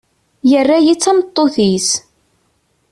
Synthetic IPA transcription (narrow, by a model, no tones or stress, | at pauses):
jərːajit͡sːæmət̪ˤːoθis